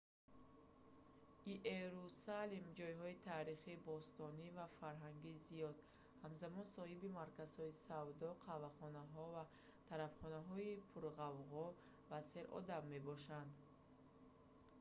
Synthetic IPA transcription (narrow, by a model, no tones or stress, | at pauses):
iʔeɾusalimd͡ʒɔjɦɔit̪ʰaːɾiχiːbɔst̪ɔnivafaɾɦaŋɡizijɔd̪ | hamzamɔnsɔhibimaɾkaz̥hɔisavd̪ɔqʰavaχɔnaɦɔva | t̪ʰaɾafχɔnaɦɔipʰuɾʁavʁɔ | vase̞ɾʔɔ̰d̪amːebɔʃand̪